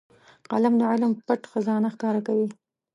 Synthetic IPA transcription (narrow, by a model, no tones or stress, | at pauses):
qa̰lamd̪əʕɪlmpaʈxazɑnaxkɑɾakawi